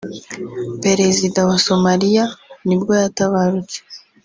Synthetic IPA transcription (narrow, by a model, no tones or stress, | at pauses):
pe̞ɾe̞zidawaso̞maɾijanibɡo̞jataβaɾut͡se̥